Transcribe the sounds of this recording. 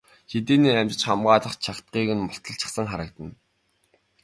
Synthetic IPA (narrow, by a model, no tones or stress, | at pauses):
xet̪eːniːæmt͡ɕɪ̆t͡ɕχamɢaːɮə̆χt͡ɕʰakt̪̚ɢiːɣɘ̆nmʊɬt̪ʰə̆ɬt͡ɕɪ̥̆χsə̆ŋχaɾə̆k̚t̪ə̆n